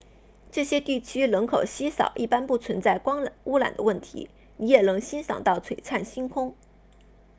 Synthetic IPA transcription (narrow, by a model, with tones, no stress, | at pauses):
ʈ͡ʂɤ˥˩ɕjɛ˥t̪i˥˩t͡ɕʰy˥lə˧˥ŋkʰo˨˩ʊɕi˥sɑ̰˨˩ʊʔi˥˩pa˥npu˥˩t͡sʰwə˧˥nt͡sa˥˩ɪkɑ˥ŋu˥la̰˨˩nd̪ə˦wə˥˩nt̪ʰḭ˧˥ | ni˧˥jɛ˨˩nɤ˧˥ŋɕi˥nsɑ̰˨˩ŋt̪ɑ˥˩ʊt͡sʰwe˨˩ɪʈ͡ʂʰa˥˩nɕi˥nkʰʊ˥ŋ